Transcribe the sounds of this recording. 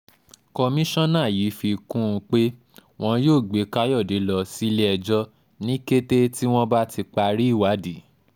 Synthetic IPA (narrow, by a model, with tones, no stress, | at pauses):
ko˧mĩ˦ʃɔ̃˦nãː˦˨ji˨˦fi˧kũ˦ũ˧k͡pe˦ | w̃ɔ̃˦joː˦˨ɡ͡be˨˦ka˦jɔ˦˨de˨˦lɔ˧si˦le˦ɛ˧d͡ʒɔ˦ | nĩ˦ke˦te˦ti˦w̃ɔ̃˦ba˦ti˧k͡pa˧ɾi˦˨wa˨˦di˨˦